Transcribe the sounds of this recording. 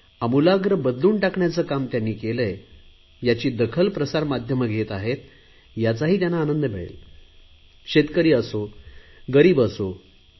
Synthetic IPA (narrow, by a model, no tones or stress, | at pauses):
amulaɡɾəbəd̪luːɳʈakɳjat͡səːkamt̪janːiːkeləj | jat͡ɕiːd̪əkʰəlpɾəsaɾmad̪ʱjəməɡʱet̪aɦet̪ | jat͡saɦiːt̪̬janːaːnənd̪əbeɭḛl | kɕet̪kəɾiːəsoɡəɾiːbəso